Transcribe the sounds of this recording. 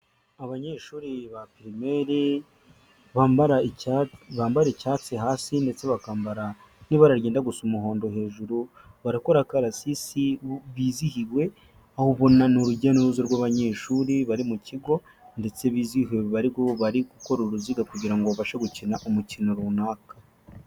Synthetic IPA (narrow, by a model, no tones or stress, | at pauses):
aβaɲeːʃuːɾiβapeɾimeɾe | βaːmbaɾa | βaːmbaɾecaːt͡siɦaːsinde̞t͡se̞βakaːmbaɾa | niβaɾaɾɟe̞ːndaɡusumuɦo̞ːndo̞ɦe̞ːʒuɾu | βaɾiko̞ɾakaɾasisiβiːzihiɾwe̞ | ahoβo̞nanuɾuɟanoɾuzoɾɡwaβaɲe̞ːʃuɾiβaɾimuciɡo̞ | nde̞t͡se̞βiːziheβaɾiɡoβaɾiɡuko̞ɾuɾuziɡakuɟiɾaŋɡoβaʃaɡucinaʔumucino̞ɾunaːkḁ